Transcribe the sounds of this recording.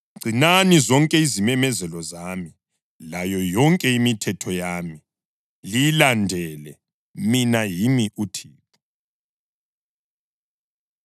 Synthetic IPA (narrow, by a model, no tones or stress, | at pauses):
ɡ͡ǀʱinanizɔŋkʼɛizimɛmɛzɛlɔzaːmi | lajɔjɔŋkʼɛimitʰɛtʰɔjami | lilandʱɛlɛ | minajimiutʰiːp̚ʰu̥